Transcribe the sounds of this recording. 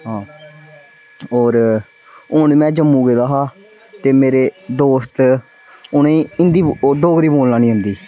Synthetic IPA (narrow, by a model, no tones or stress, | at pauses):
ɦãː | oːɾ | ʊɳmɛ̃ːd͡ʒəmːũːɡeːd̪aːɦaː | t̪eːmeːɾeːd̪oːst̪ | ʊnẽːɪnd̪iːd̪oːɡɾiːboːlnaːnĩːɦʊ̃nd̪iː